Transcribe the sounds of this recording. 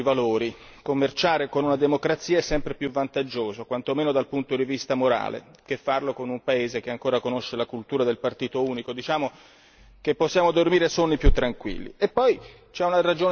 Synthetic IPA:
ivaloːɾi | komːert͡ʃaːɾekonunad̪emokɾat̪sːiːaɛsːɛmpɾepjuvːant̪ad͡ʒːoːzokwant̪omeːnod̪alpunt̪od̪ivist̪amoɾa̰ːlḛ | kefːarlokonumpaeːzekeaŋkoːɾakonoʃːelakult̪uːɾad̪elpart̪iːt̪ouːnikod̪it͡ʃaːmo | kepːosːjaːmod̪ormiːɾesonːipjut̪ːɾaŋkwḭlːḭepːɔj | t͡ʃɛunarad͡ʒoː

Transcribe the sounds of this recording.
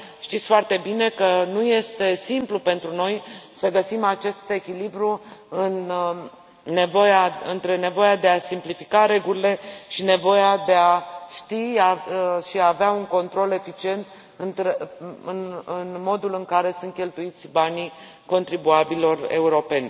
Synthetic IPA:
ʃt̪it̪sʲfoart̪e̞bine̞kənuje̞st̪e̞simplupe̞nt̪ɾuno̞jsəɡəsimat͡ʃe̞st̪e̞kʲilibɾuɨn | e̞vo̞jaɨ̰nt̪ɾe̞ne̞vo̞jad̪e̞asimplifikaɾe̞ɡulile̞ʃine̞vo̞jad̪e̞aʃt̪iaʃiaːveauŋko̞nt̪ɾo̞le̞fit͡ʃie̞nt̪ | ɨnt̪ɾeɨnɨnmo̞d̪ulɨŋkaɾe̞sunt̪̚kʲe̞lt̪uit̪sʲbani | ko̞nt̪ɾibuabilo̞re̞̰uɾo̞pe̞nʲ

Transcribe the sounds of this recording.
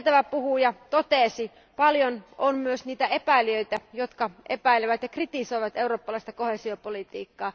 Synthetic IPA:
t̪æʋæpuhuːjɑt̪ot̪eˑsi | pɑljononmyøsniːt̪æʔepæiliøit̪æjot̪kɑʔepæileʋæt̪jɑkrit̪isojʋɑt̪euɾoːpːɑlɑist̪ɑkoheːsiopolit̪ḭːkːɑː

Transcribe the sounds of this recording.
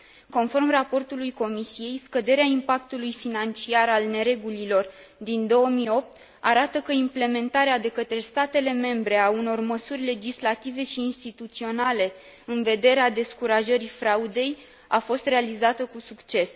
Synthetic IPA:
ko̞nfo̞rmrapo̞rt̪ulujko̞misije̞jskəd̪e̞ɾeaimpak̚t̪ulujfinant͡ʃiaɾalne̞ɾe̞ɡulilo̞r | d̪ind̪o̞wəmijo̞p̚t̪ | aɾat̪əkəimple̞me̞nt̪aɾead̪e̞kət̪ɾe̞st̪at̪e̞le̞me̞mbɾe̞auno̞rməsurʲle̞d͡ʒislat̪ive̞ʃiːnst̪it̪ut̪sio̞nale̞ | ɨnve̞d̪e̞ɾead̪e̞skuɾaʒəɾifɾaud̪e̞j | afo̞st̪re̞alizat̪əkusukt͡ʃe̞s

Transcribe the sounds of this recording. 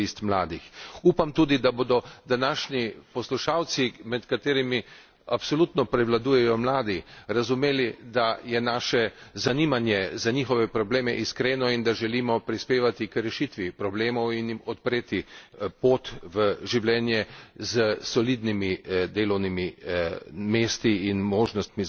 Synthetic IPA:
ist̪mlaːd̪ixuːpamt̪ud̪id̪aboːd̪ɔd̪anaːʃnipɔsluʃaːw̪simɛt̪kat̪eːɾimi | apsɔlut̪nɔpɾɛʋlad̪uːjɛjɔmlaːd̪iɾazumeːlid̪ajɛnaːʃɛzaniːmanjɛzaɲixɔʋɛpɾɔbleːmɛʔiskɾeːnɔind̪aʒɛliːmɔpɾispeːʋat̪ikɾɛʃit̪ʋipɾɔbleːmɔwinjmɔt̪pɾeːt̪ipoːt̪ʋəʒiwlɛːnjɛzəsɔliːd̪nimid̪eːlɔwnimi | meːst̪iːnmoːʒnɔst̪mi

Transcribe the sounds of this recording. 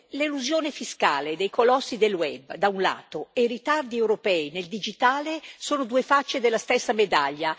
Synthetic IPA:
leluzjoːnefiska̰ːled̪ejkolɔsːid̪elːwɛbːd̪aunla̰ːt̪oejrit̪ard̪iewɾopɛːineld̪id͡ʒit̪aːlesoːnod̪uːefat͡ʃːed̪elːast̪esːamed̪aʎːa

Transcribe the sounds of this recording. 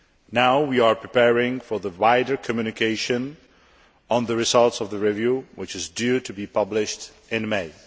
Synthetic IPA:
naʊwiə˞pʰɹ̥ipɛɹɪ̃ŋfə˞ðəwaɪdə˞kʰəmjʉnɨkʰeɪʃɨ̃n | ə̃nðəɹɨzʌlˠtsʌvðəɹivjuwɪt͡ʃɨzdʉɾʰɨbipʰʌblɪʃt | ɪ̃nmeɪ

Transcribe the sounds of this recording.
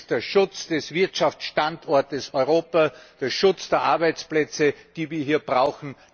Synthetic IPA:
d̥eːɐʃʊt͡sd̥ɛsv̥ɪɐtʃaft͡sʃtandɔɐtəsɔʏʁoːpad̥eːɐʃʊt͡sd̥eːɐʔaɐbaɪt͡splɛt͡səd̥iːviːɐɦiːɐb̥ʁaʊxn̩

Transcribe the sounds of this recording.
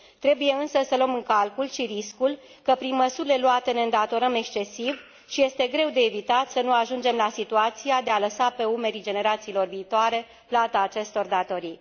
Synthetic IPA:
t̪ɾe̞buje̞ɨnsəsəlomɨŋkalkulʃiɾiskul | kəpɾinməsuɾile̞luat̪e̞neɨnd̪at̪o̞ɾəme̞kst͡ʃe̞siv | ʃije̞st̪e̞ɡɾe̞wd̪e̞ːvit̪at̪sənuaʒund͡ʒe̞mlasit̪uat̪sijad̪e̞aləsape̞ume̞ɾid͡ʒe̞ne̞ɾat̪siːlo̞rviːt̪oaɾe̞ | plat̪aːt͡ʃe̞st̪o̞rd̪at̪o̞ɾij

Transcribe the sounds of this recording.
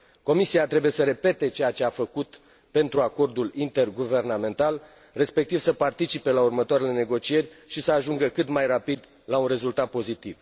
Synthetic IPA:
ko̞misiat̪ɾe̞buje̞səɾe̞pe̞t̪e̞t͡ʃejat͡ʃe̞afəkut̪ | pe̞nt̪ɾuako̞rd̪ulint̪e̞rɡuve̞rname̞nt̪al | re̞spe̞k̚t̪iv̥səpart̪it͡ʃipe̞laurmət̪oaɾe̞le̞ne̞ɡo̞t͡ʃie̞rʲʃisəaʒuŋɡəkɨt̪majrapid̪ | launre̞zult̪at̪̚po̞zit̪iv

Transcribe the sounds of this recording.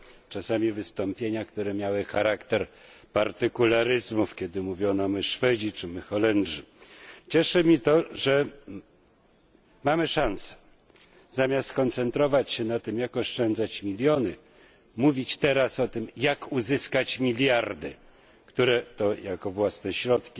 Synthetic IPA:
t͡ʂasamʲivɘst̪ɔmpʲjeɲakt̪uɾɛmʲjawɘxaɾakt̪ɛɾpaɾt̪ɘkulaɾɘzmufkʲɛd̪ɘmuvʲjɔnɔmɘʂfɛd͡ʑit͡ʂɘmɘxɔlɛnʐit͡ɕɛʂɛmʲit̪ɔʐɛ | mamɘʂãnsɛ̥ | zamʲjast̪skɔnt̪sɛnt̪ɾɔvat͡ɕɕɛnat̪ɘmjakɔʂt͡ʂɛnd̪zat͡ɕmʲilʲjɔnɘ | muvʲit͡ɕt̪ɛɾasɔt̪ɘmjakuzɘskat͡ɕmʲilʲjaɾd̪ɘ | kt̪uɾɛt̪ɔjakɔvwasnɛɕɾɔt̪kʲi

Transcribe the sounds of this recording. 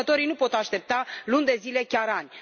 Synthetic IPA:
ət̪o̞ɾijnupo̞t̪aʃt̪e̞p̚t̪alund̪e̞zile̞kʲaɾanʲ

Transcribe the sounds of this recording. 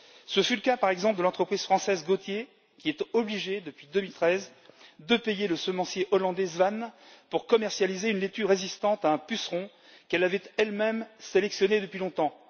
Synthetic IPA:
səfyləkapaʁɛɡzɑ̃pləd̪əlɑ̃t̪χəpχiz̥fχɑ̃sɛzɡot̪je | kʲiɛt̪ɔbliʒed̪əpɥid̪əmilt̪χɛz | d̪əpejeləsəmɑ̃sjeʔɔlɑ̃d̪ɛzvan | puʁkɔmɛʁsjalizeynlet̪yʁezist̪ɑ̃t̪aɛ̃pysʁɔ̃ | kɛlavɛt̪ɛlmɛmselɛksjɔned̪əpɥilɔ̃t̪ɑ̃

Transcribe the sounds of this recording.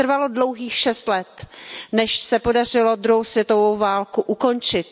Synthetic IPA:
r̩valo̞dlo̞wɦiːxʃɛst̪lɛt̪nɛʃsɛpo̞dar̝ɪlo̞d̪ɾuɦowsvjɛt̪o̞vowvaːlkuʔuko̞nt͡ʃɪt̪

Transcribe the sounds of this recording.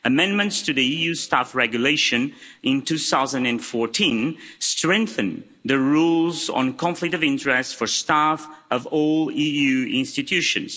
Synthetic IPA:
ɨmɛ̃nmɨ̃ntstʰɨðiijʉstæfɹɛɡjuleɪʃɨ̃nɪ̃ntʉθaʊzə̃ndɨ̃nfɔɹtʰĩnstɹɛ̃ŋkθɨ̃n | ðɨɹulˠz̰̃n̩kʰɑ̃ɱflɪk̚tʌvɪ̃ntəɹɛstfə˞stæfʌvɔlˠijʉɪ̃nstɨtʰjʉʃɨ̰̃nz̥

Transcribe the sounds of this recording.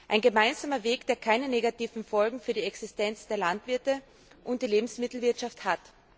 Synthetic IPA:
ʔaɪnɡəmaɪnzaːmɐveːkd̥eːɐkʰaɪnəneːɡatiːvn̩fɔlɡŋ̩fyːɐdiɛksɪstɛnt͡sd̥eːɐlantv̥ɪɐtə | ʔʊnt̚d̥iːleːbm̩smɪtl̩vɪɐtʃafthat

